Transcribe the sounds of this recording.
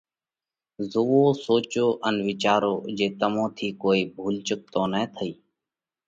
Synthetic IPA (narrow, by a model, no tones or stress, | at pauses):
zoʋoːsoːt͡ʃoːʔənʋɪt͡ʃaːɾoːd͡ʒeːt̪əmõːt̪ʰiːkoːiːbʱuːlt͡ʃʊk̚t̪õːnɛːt̪ʰəiː